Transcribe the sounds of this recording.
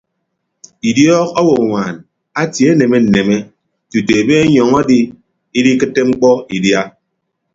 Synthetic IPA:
i˨djɔː˦kɔ˦wo˨ŋʷa˨n | a˦tje˨˦e˦ne˨me˦n̩˨ne˨me˦ | tu˨te˨be˦e˦ɲɔ˨ŋa˦di˦ | i˦di˦kɨ˦tːe˦ŋ͡m̩˦k͡pɔ˦i˨dja˦

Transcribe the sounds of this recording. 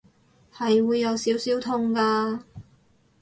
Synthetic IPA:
hɐ˨jwuː˨˧jːɐ˨˧wsiː˨˥wsiː˨˥wt̪ʰʊ˧ŋkaː˧

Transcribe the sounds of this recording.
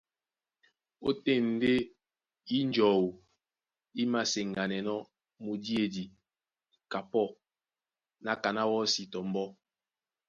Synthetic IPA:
o˦te˦˨n̩˨˦de˦ | i˦n˦d͡ʒɔ˨wu˨ | i˦ma˨se˨ŋ˨a˨nɛ˨nɔ˦ | mu˨di˦e˨di˨ | ka˨pɔ˦˨ | na˦ka˨na˦wɔ˦si˨tɔ˨m̩˦bɔ˦

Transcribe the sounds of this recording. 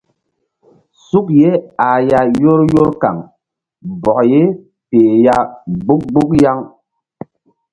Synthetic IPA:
su˦k̚je˦a˨ja˦jo˦ɾjo˦ɾka̰˨ŋ | bɔ˨je˦ | peː˨ja˦ɡ͡bu˦k̚ɡ͡bu˦k̚ja˦ŋ

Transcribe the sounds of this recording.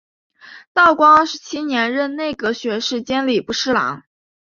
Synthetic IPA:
t̪ɑ˥˩ʊkwɑ˥ŋə˞˥˧ʂɻ̩˧˥t͡ɕʰi˥njɛ˧˥nɻə˥˧nne˥˩ɪɡə˩ɕɥɛ˧˥ʂɻ̩˥˩t͡ɕjɛ˥nli˨˩pu˥˩ʂɻ̩˥lɑ̰˧˥ŋ

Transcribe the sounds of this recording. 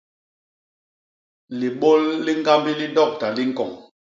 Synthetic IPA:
li˨ɓo˦lːi˦ŋ˦ɡa˦mbi˦li˦dɔ˦˨k̚ta˨li˦ŋ̩˦kɔ˨ŋ

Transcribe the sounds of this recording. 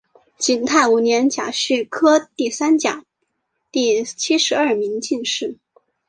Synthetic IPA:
t͡ɕi˨˩nt̪ʰa˥˩ɪu˨˩njɛ˧˥nt͡ɕja̰˨˩ɕy˥˩kʰɤ˥t̪i˥˩sa˥nt͡ɕja̰˨˩˦ | t̪i˥˩˧t͡ɕʰi˥ʂɻ̩˧˥ɐ˞˥˩mi˧˥ŋt͡ɕi˥˧nʂɻ̩˥˩

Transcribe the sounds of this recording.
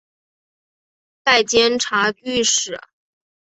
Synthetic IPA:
t̪a˥˩ɪt͡ɕjɛ˥nʈ͡ʂʰa˧˥t͡ɕy˥˧ʂɻ̩˨˩˦

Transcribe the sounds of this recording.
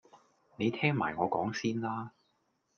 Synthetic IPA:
ne˨˧jt̪ʰɛː˥ŋma̰ː˨˩jŋɔː˨˧kɔː˨˥ŋsiː˥nlaː˥

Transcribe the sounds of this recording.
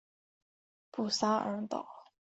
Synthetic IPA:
pu˨˩sa˥ə̰˧˥t̪ɑ̰˨˩˦ʊ

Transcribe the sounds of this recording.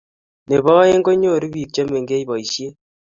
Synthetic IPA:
ne˨βɔ˦je˦ŋɡo˦ɲo˦˨ɾi˦βi˨ɾt͡ʃa˦me˨ŋɡe˦i˦βɔ˨i˨ʃje˦

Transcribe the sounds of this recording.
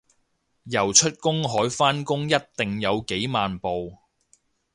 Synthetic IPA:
jɐ˨˩wt͡ʃʰɵ˥t̚kʊ˥ŋɦɔː˨˥jfaː˥nkʊ˥ŋjɐ˥t̚t̪ɪ˨ŋjɐ˨˧wke˨˥jmaː˨npo˨w

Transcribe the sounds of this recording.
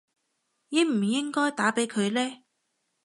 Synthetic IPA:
ji˨˧m̩˨˩jɪ˥ŋkɔː˥jt̪aː˨˥pe˨˥jkʰɵ˨˧ɥlɛː˥

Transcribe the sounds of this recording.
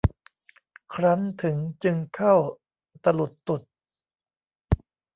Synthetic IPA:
kʰɾa˦˥ŋt̪ʰɯ˩˦ŋt͡ɕɯ˧ŋkʰa˥˩w | t̪a˧lu˨˩t̪ːu˨˩t̪̚

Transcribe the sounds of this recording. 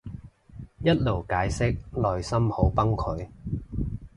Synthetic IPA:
jɐ˥t̚lo˨˩wkaː˨˥jsɪ˥k̚lɔː˨jsɐ˥mho˨˥wpɐ˥ŋkʰɵ˨˧ɥ

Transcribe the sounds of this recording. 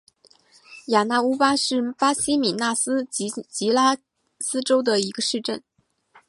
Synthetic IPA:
ja˨˩na˥˩u˥pa˥ʂɻ̩˥˩pa˥ɕi˥mi˨˩na˥˩sɹ̩˥t͡ɕi˧˥la˥ | sɹ̩˥ʈ͡ʂo˥ʊd̪ə˨i˧˥ɡə˧ʂɻ̩˥˧ʈ͡ʂə˥˩n

